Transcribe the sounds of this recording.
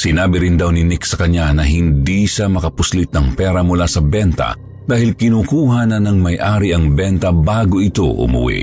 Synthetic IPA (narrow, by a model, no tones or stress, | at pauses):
sɪnaːbɪɾɪnd̪awnɪnɪksɐkɐɲːanɐɦɪnd̪iʃamɐkɐpʊslɪt̪̚nɐŋpɛːɾɐmʊlasɐbɛnt̪ɐ̰ | d̪aːhɪlkɪnuːkuːɦɐnɐnɐŋmɐjʔaːɾiʔɐŋbɛnt̪ɐbaːɡoʔɪt̪o̞̰ʔʊ̰mʊ̰wḭ